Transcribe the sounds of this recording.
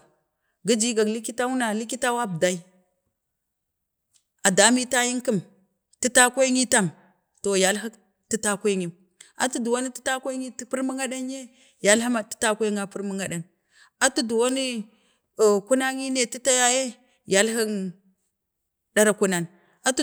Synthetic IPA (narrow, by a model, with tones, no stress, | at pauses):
ɡi˦d͡ʒi˦ɡa˨kli˦ki˦ta˦wu˦na˨li˦ki˦ta˦wa˦bda˨i˦ | a˨da˦mi˦ta˦ji˦ŋki˦m | ti˦ta˦kʷe˦ŋi˦ta˦˨m | to˨ja˨lɦi˦k | ti˦ta˦kʷe˦ɲi˨m | a̰˨tu˦du˨wa˦ni˦ti̥˦ta˦kʷe˦ŋi˦tpi˦ɾmi˦ŋɡa˦ɗa˦n˦je˦ | ja˨lɦi˦ma˨ti̥˦ta˦ke˦ŋa˦pu˦ɾmu˦ŋɡa˨ɗa˨n | a˨tu˦du˨wo˦ni˦˨ | ku˦na˦ŋi˦ne˨ti˦ta˦ja˦je˦ | ja˨lɦi˦n | ɗa˦ɾa˨ku˦na˨n | a˨t